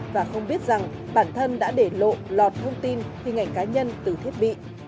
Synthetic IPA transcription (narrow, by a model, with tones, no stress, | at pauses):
vaː˨˩xə˧wŋ͡mɓi˦˥ət̚za˨˩ŋɓaː˧˩nt̪ʰə˧nɗa̰ː˧˥ɗe˧˩lo̰˧˨lɔ˨˩t̚t̪ʰə˧wŋ͡mt̪i˧nhi˨˩ŋa˧˨˩ŋ̟kaː˨˦ɲə˧nt̪ɨ˨˩t̪ʰi˦˥ət̚ɓḭ˧˨